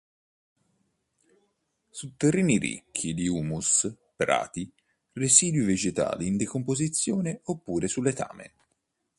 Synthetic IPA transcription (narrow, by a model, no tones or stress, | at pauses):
sut̪ːerːiːnirḭkʰːid̪iuːmus | pɾa̰ːt̪i | reziːd̪wived͡ʒet̪a̰ːliːnd̪ekompozit̪sːjɔːneopːuːɾesulːet̪ʰa̰ːmḛn